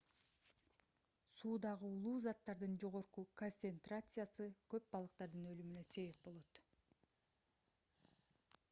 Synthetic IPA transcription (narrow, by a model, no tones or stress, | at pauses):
suːd̪ɑʁɯulˠuːzɑt̪ːɑɾd̪ɯnd͡ʒo̞ʁo̞ɾquko̞nsent̪rat̪sɨjasɯkø̞p̚bɑlˠɯq̚t̪ɑɾd̪ɯnø̞lymynøse̞βe̞p̚bo̞lˠo̞t̪